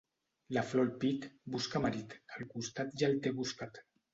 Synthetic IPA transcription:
laflolpit̪buskamaɾit̪əlkust̪at̪ʒalt̪eβuskat̪

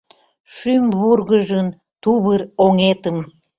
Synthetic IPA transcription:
ʃymβurɣəʒən | t̪uβəroŋet̪əm

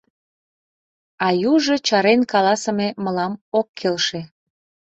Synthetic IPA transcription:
ɑjuʒɤt͡ɕɑɾenkɑlɑsəmeməlɑmokʰːelʃe̽

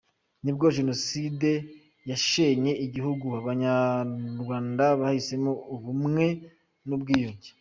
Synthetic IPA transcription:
nib̚ɡo̞ʒe̞no̞side̞ | jaʃeɲe̞ʔiɟihuɡuaβaɲaɾɡwaːndaβahhise̞mouβumŋe̞ | nubɡiːjuːɲɟe

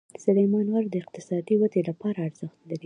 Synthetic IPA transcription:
sʊlamɑnwaɾd̪əɪq̚t̪ɪsɑd̪iwat̪elapɑɾaːɾzəxt̪laɾi

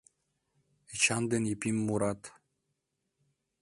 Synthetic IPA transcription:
et͡ɕɑnd̪enipʲimːuɾɑt̪

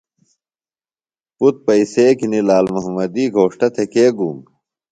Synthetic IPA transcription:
kut̪̚pɐiseːkinilaːlmuɦɐmɐd̪iːɡʱoːʂʈɐt̪ʰekeːɡum

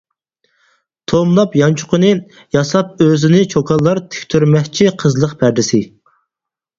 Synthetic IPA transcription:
t̪ʰomlˠɑpjɑnt͡ʃʰʊ̥qʰənɨ | jɑsɑp̚øzɪnɪt͡ʃʰokʰɑlˠːɑɾt̪ʰɪ̥kʲt̪ʰyɾmɛkʲt͡ʃʰiqʰəzlˠəqpʰæɾd̪ɪsɪ

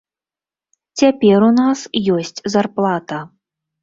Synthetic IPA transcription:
t͡sʲapʲɛɾunasjɔsʲt͡sʲzarplˠat̪ɐ

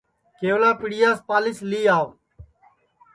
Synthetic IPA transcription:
keːʋlaːpɪɽɪjaːspaːlɪsliːaːʋ

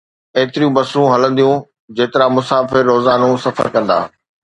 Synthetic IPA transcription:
eːt̪ɪɾijũbɐsũɦɐlə̃nd̪ijũ | d͡ʑeːt̪ɪɾamʊsaːfɪɾːoːzaːnũsɐfə̰ɾkɐ̃nd̪a̰ː

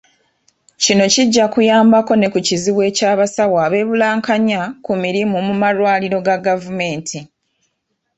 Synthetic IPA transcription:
cino̞ciɟːakujaːmbako̞ne̞kuciziβwe̞ːcaːβasaβwaːβe̞ːβulaːŋkaɲakumiɾimumumaɾwaːliɾo̞ɡaɡavume̞ːntʰi

